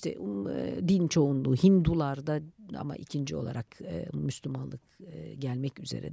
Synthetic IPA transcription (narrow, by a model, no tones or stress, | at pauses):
iʃt̪ʰɛ̰d̪int͡ʃʰo̞unlˠuːhind̪ulˠaɾd̪aa̰ma̰ʔicʰind͡ʒio̞̰lˠa̰ɾʔakɯmyslʲymanlˠɯkɯɟælʲmɛcyze̞̰ɾḭd̪ɛ